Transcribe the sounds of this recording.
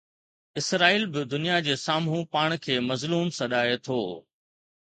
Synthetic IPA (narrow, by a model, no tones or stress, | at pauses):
ɪsɾaːiːlbɪd̪ʊnijad͡ʑeːsaːmɦũpaːɽ̃kʰeːmɐzluːmsɐɗaːet̪ʰoː